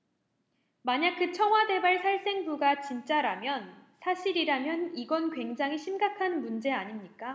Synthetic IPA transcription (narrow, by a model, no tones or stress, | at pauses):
maɲak̚kɯt͡ɕʰʌŋɦwade̞baɭsʰaɭs͈e̞ŋbuɡat͡ɕint͡ɕ͈aɾamjʌnsʰaɕʰiɾiɾamjʌniɡʌnkwe̞ŋd͡ʑaŋiɕʰimɡakʰanmund͡ʑe̞aɲimɲik͈a